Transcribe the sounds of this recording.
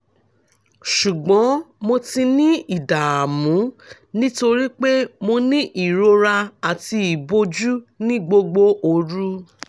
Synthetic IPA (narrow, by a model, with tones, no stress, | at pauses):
ʃu˨ɡ͡bɔ̃˨˦mo˧ti˧nĩ˦i˨da˨a˨mũ˨˦ | nĩ˦to˧ɾi˦k͡pe˦mo˧nĩ˦ʔi˨ɾo˧ɾa˧a˨ti˧i˨bo˧d͡ʒu˦nĩ˦ɡ͡bo˧ɡ͡bo˧o˧ɾu˦